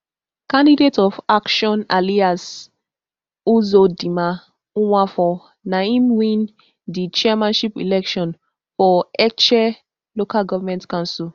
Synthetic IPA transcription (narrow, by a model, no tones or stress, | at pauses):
kãndidetɔfakʃɔ̃nalias | uzodĩmã | ũwãfɔ | naĩmwĩn | dit͡ʃɛamãnʃipḭlɛkʃɔ̃n | fɔɛt͡ʃɛ | lokalɡɔvamɛ̃ntkãnsil